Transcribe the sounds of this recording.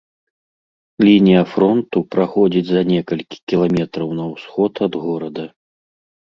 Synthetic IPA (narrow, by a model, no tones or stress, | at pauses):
lʲinʲijɐfɾɔnt̪upɾaxɔd͡zʲid͡zʲzɐnʲɛkɐlʲkʲi̥kʲilˠamʲɛt̪ɾɐwnɐwsxɔt̪ɐd̪ɣɔɾɐd̪ɐ